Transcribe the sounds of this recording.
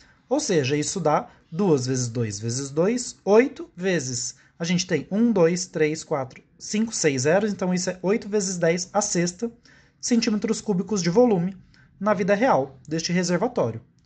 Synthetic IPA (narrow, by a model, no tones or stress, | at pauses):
owseʒɐisʊd̪a | d̪uɐzvezɪzd̪ojzvezɪzd̪ojsojt̪ʊvezɪs | ɐʒẽnt͡ʃɪ̥t̪ẽj̃ũd̪ojst̪ɾeskwat̪ɾʊ | sĩŋkʊ̥sejzzɛɾʊẽnt̪ɐ̃w̃isʊɛʔojt̪ʊvezɪzd̪ɛjsɐsest̪ɐ | sẽnt͡ʃĩmet̪ɾʊskubikʊzd͡ʒɪvolũmɪ | nɐvid̪ɐɦeawd̪est͡ʃɪɦezeɾvat̪ɔɾjʊ